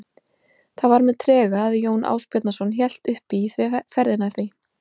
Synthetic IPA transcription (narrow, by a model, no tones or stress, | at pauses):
θaðvaɾmɛðt̪ʰɾɛːɣaːðjoːwnʔa̰ːwspjɛt̪nasɔnçjɛl̥t̪ʏhpiθfɛɾðɪnaθvi